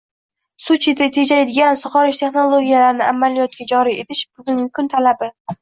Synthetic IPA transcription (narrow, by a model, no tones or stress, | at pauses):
sʊt͡ʃʰit̪ɪt̪ʰed͡ʒajd̪ɪɡʲansʊχɒɾɪʃt̪ʰe̞χno̞lˠoɡʲijalaɾɪnɪʔamːalijɒt̪̚kʲad͡ʒɒɾie̞t̪ʰɪʃbʊɡʲʊnɡʲɪkʰʊnt̪ʰalabɪ